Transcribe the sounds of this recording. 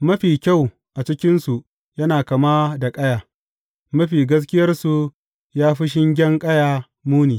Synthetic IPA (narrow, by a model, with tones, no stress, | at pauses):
mɐ˦ɸiː˨kʲa˦˨w | ʔa˨t͡ʃɪ˦kʲɪ˦nsu˨ʔ | jɐ˦naː˨kɐ˨maː˦da˨kʼɐ˦jaː˨ | mɐ˦ɸiː˨ɡɐ˦s̬kʲɪ˦jɐ˦rsu˨ | jaː˦ɸɪ˦ʃ̬ɪ˦ŋɡʲɛ˦ŋkʼɐ˦jaː˨ | muː˦niː˨